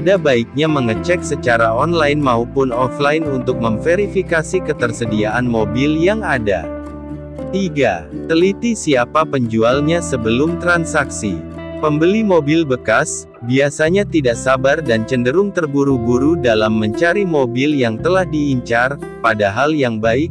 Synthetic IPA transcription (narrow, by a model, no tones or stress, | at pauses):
padabaik̚ɲaməŋət͡ʃɛk̚sət͡ʃaɾaɔnlajnmaupʊnɔflajinunt̪ʊk̚məmfeɾifikasikət̪ərsədiaʔanmobiljaŋada̰ | t̪iɡat̪əlit̪isiapapəɲd͡ʒualɲasəbəlʊmt̪ɾansaksḭ | pəmbəlimobilbəkas | biasaɲat̪idaʔsabardant͡ʃəndəɾʊŋt̪ərbuɾuɡuɾudalamːəɲt͡ʃaɾimobiljaŋt̪əlahdiːɲt͡ʃar | padaɦaljaŋbaɪk̚